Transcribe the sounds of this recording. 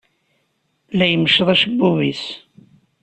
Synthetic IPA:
læjəməʃəðˤæʃbːuvis

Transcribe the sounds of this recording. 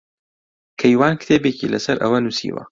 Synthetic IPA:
kʰɐjwaːnkt̪ʰeːbeːcḭlɐsɐɾʔɐ̰wɐnusḭːwɐ̰

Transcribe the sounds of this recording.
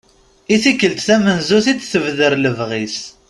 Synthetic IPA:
iθikːəlt̪θæmənzuθit͡s̪ːθəvðəɾləvʁis

